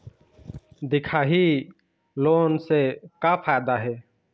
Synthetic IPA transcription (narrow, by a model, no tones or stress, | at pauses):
d̪ɪkʰaːɦi | loːnsekapʰaːjd̪aɦɛː